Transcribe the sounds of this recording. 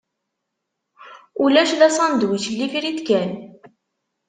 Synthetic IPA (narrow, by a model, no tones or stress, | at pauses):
ulæʃðæsˤɑnd̪wislifiɾit̪kæn